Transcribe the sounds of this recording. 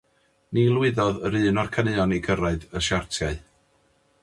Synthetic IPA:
nilˠwɪðɔðəɾɨːnɔrkʰənɨɔniɡəɾaɨdəʃartʰjaɨ

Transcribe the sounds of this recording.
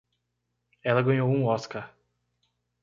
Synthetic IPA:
ɛlɐɡɐ̃ɲowũɔskaɾ

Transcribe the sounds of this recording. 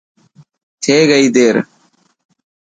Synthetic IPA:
t̪ʰeːɡəiːd̪eːɾ

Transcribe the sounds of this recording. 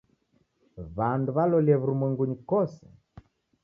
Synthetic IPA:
βanduβalɔliɛβuɾumwɛŋɡuɲikɔsɛ

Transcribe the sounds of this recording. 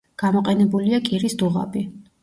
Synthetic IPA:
ɡ̥amɔqʼɛnɛbuliakʼiɾisd̪uʁa̰bi

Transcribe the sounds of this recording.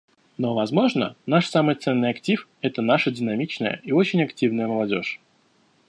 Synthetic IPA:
no̞vɐzmo̞ʐnə̰naʂsamɨjt̪sɛnːɨjɐktʲifɛt̪ən̪aʂədʲɪnɐmʲit͡ɕnəjə̰io̞t͡ɕɪnʲɐktʲivnəjəməlˠɐdʲo̞̰ʂ

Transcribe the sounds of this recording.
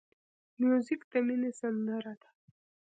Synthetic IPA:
mjuzikt̪aminesand̪aɾat̪ḁ

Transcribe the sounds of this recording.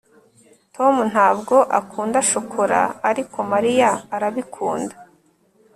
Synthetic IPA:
tʰo̞mun̥haːbɡo̞ʔakʰuːndaʃokʰoɾa̰ːɾikʰo̞maɾijaːɾaβikʰuːndḁ

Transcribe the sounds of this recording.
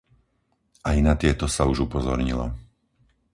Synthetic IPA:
ʔajnat̪ɪɛt̪ɔsauʒupɔzɔɾɲilɔ̰

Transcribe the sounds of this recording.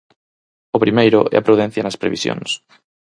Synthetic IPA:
ʊpɾimejɾʊ̰ʔɛ̰ɐpɾuðɛn̟θjɐnɐspɾḛβisjo̰ŋs

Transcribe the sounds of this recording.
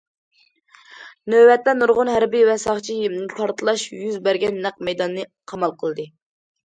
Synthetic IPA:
nøwɛt̪lɛnuɾʁʊnɦæɾbiwɛsɑχt͡ʃʰijimnɨpʰɑɾt̪ʰɨlˠɑʃjyzbæɾɡʲɛnːæq̚mɛjd̪ɑnːɨqʰɑmɑlˠqʰəlˠd̪ɨ

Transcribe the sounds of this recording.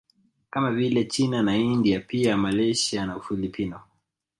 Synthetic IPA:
kamavilɛt͡ʃinanaindiapiamalɛʃianaufilipʰinɔ

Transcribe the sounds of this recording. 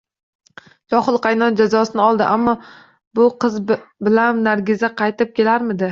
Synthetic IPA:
t͡ʃʰɒχɨlˠqʰɑjnɒnd͡ʒazɒsɪnɪɒlˠd̪ɪʔamːɒ | bʊqʰɨzbɪlanːaɾɡʲɪzaqʰɑjt̪ɪp̚kʲe̞laɾmɪd̪ɪ

